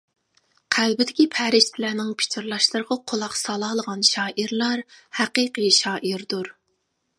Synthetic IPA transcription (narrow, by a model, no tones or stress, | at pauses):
qʰælbɪd̪ɪkʲipʰæɾɪʃt̪ʰɪlæːnɪŋpʰɪ̥t͡ʃʰɪɾlˠɑʃlˠɨɾəʁɑqʰolˠɑqsɑlˠɑːlˠəʁɑnʃɑːʔiɾlˠɑɾhæqiqɨʃɑːʔiɾd̪uɾ